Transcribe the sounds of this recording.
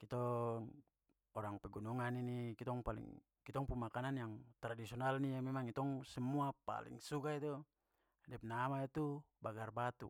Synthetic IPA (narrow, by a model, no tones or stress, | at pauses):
kit̪ɔŋ | ɔɾaŋpɛɡunuŋaninikit̪ɔŋpalḭŋ | kit̪ɔŋpumakananjaŋt̪ɾadisiɔnalniamɛmaŋit̪ɔŋsɛmuapa̰lḭŋsukait̪u | dɛp̚namait̪ubaɡarbat̪ṵ